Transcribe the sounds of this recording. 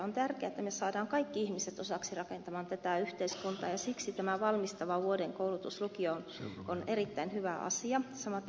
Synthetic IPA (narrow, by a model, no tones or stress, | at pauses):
ont̪ærkeæet̪ːæmøsɑːdɑːŋkɑikːiihmiset̪osɑksirɑkent̪ɑmɑːnt̪æt̪æyht̪eiskunt̪ɑ̰ːjɑsiksit̪æmæʋɑlmist̪ɑʋɑʋuodeŋkoulut̪uslukiononerit̪ːæinhyʋæʔɑ̰siɑsɑmɑt̪ː